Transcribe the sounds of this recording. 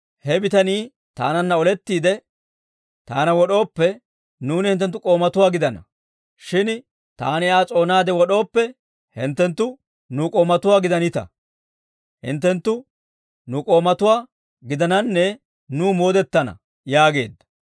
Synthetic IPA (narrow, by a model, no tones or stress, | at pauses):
hɛbɪt̪ɐniː | t̪a̰ːnɐnːɐɔlɛt̪ːiːd̪ɛ | t̪aːnɐwɔɗo̞ːpːɛ | nuːnɪhɪnt̪ːɛnt̪ːʊkʼo̞ːmɐt̪ʊwaːɡɪd̪ɐnɐ̰ | ʃɪn | t̪a̰ːnɪaːt͡sʼo̞ːnaːd̪ɛwɔɗo̞ːpːɛ | hɪ̰nt̪ːɛnt̪ːʊ | nʊkʼo̞ːmɐt̪ʊwaːɡɪd̪ɐnɪt̪ɐ̰ | hɪ̰nt̪ːɛnt̪ːʊ | nʊkʼo̞ːmɐt̪ʊwaː | ɡɪd̪ɐnɐnːɛ | nuːmo̞ːd̪ɛt̪ːɐnɐ̰ | jaːɡe̞̰ːd̪ːɐ